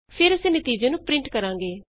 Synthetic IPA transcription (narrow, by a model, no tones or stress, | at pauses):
pʰɪɾəsẽːnət̪iːd͡ʒẽːnũːpɾɪ̃ɳʈkəɾãːŋɡeː